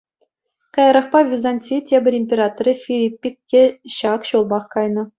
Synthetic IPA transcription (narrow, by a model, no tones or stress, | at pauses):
kɑjɑɾɑχpɑvʲizanʲtʲitʲebʲɘ̆rʲimʲpʲeɾɑt̪oɾʲifʲilʲipʲːik̚ʲkʲeɕɑkɕulˠbɑχkɑjnɤ̆